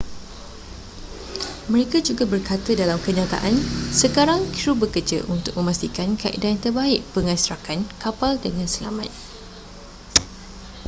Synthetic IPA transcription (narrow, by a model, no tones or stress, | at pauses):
mə̃ɾekad͡ʒuɡabərkat̪adalamkəɲãt̪a̰ʔansəkaɾaŋkɾubəkərd͡ʒa̰ʔunt̪ʊk̚mə̃mast̪ikankaʔḭdant̪ərbaɪʔpəŋãsɾakankapaldəŋãnsəla̰mãt̪̚